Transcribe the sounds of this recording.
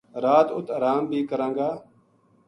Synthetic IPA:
ɾaːt̪ʊt̪əɾaːmbʱiːkəɾãːŋɡaː

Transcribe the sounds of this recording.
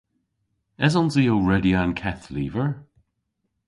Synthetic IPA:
ɛzɔnziːəɹɛdiankʰɛθliːvəɹ

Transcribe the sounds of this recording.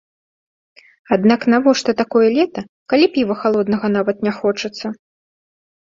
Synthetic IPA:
ad̪naknavɔʂt̪ɔt̪akɔjɐlʲɛt̪ɐ | kalʲipʲivɐxalˠɔd̪nɐɣɐnavɐt̪nʲaxɔt͡ʂɐt̪sːɐ

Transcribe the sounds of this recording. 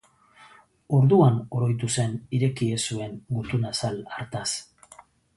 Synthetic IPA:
oɾðuano̞ɾo̞jt̪̬use̞niɾe̞kie̞sue̞ŋɡut̪unasalaɾt̪as

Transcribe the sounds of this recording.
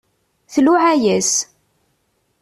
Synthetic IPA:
θlʊʕæjæs

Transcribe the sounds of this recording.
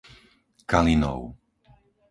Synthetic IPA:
kalinɔ̰ʊ

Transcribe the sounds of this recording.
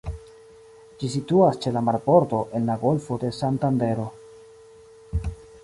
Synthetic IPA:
d͡ʒisituast͡ʃe̞lamaɾpo̞ɾto̞ʔe̞nlaɡo̞lfo̞de̞santande̞ɾo̞

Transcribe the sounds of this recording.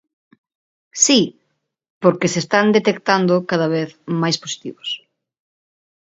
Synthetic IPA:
si | poɾkesest̪and̪et̪ek̚t̪and̪okaðaβeθmajsposi̥t̪iβos

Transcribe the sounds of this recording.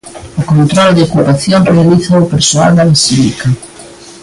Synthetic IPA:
okont̪ɾɔld̪eokupaθjonrealiθaopeɾsoa̰ld̪aβasilika

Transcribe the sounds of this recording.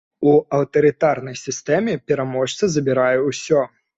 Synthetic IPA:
uɐwt̪ɐɾɨt̪arnɐjsʲist̪ɛmʲɛpʲɛɾamɔʂt̪sɐzɐbʲiɾajɛwsʲɔ

